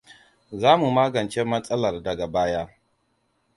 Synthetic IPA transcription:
zaː˦mu˨maː˦ɡɐ˨nt͡ʃe˦mɐ˦sʼɐ˦lɐ˨rdɐ˨ɡa˨baː˦ja˦

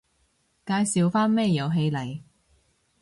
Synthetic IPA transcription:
kaː˧jsiː˨wfaː˥nmɛː˥˩jɐ˨˧wɦe˧jlɐ˨˩j

